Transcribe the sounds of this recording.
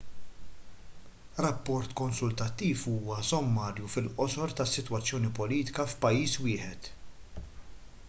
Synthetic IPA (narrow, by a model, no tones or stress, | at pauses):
ɾɐpːɔɾt̪kɔnsʊlt̪ɐt̪ːiːfuːwɐsɔmːɐːɾjufɪlʔɔsɔɾt̪ɐsːɪt̪wɐt͡sːjɔːnipɔliːt̪ɪ̥kɐfpɐjːiːswɪːħɛt̪